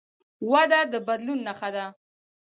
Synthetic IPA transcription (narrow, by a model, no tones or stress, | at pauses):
wad̪ad̪əbad̪lunːaxad̪a